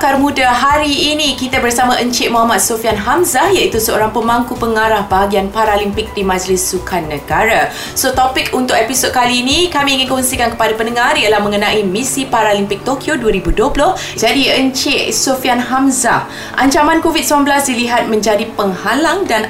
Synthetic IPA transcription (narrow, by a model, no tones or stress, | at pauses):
karmũdaɦaɾiːnikit̪abərsamaʔəɲt͡ʃeʔmɔɦamat̪̚sofianɦamzaijait̪usəo̰ɾaŋpəmaŋkupəŋaɾahbaɦaɡianpaɾalimpɪk̚dimãd͡ʒlɪsːukʰanːəɡaɾa | sot̪ɔpɪk̚ʰunt̪ʊkepisod̚kaliːnikamiːŋɪnkɔnsikankə̥padapənəŋaɾialahmə̃ŋənãʔimisipaɾalimpɪk̚t̪okʰioduaɾibuduəplʊh | d͡ʒadiəɲt͡ʃeʔsofianɦamza | ʔaɲt͡ʃamãnkovid̪̚səmanbəlasdiliɦat̪̚mə̃ɲd͡ʒadipəŋhalaŋdan